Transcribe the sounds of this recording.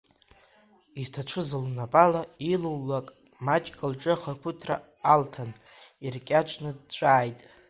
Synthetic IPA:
itʰat͡ʃʷʰʊzɨlnapʼalailuwlːakʼ | mat͡ʃʼkʼalʈ͡ʂʼɨχarkʷʰʊtʰra̰ː | ltʰan | irkʲʼat͡ʃʷʰnɨd̚t͡ʃʷʼaːjtʼ

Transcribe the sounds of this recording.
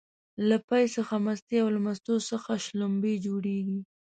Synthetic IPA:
lapajsəxamast̪eawlamast̪osəxaʃlʊmbed͡ʒoɽeɡi

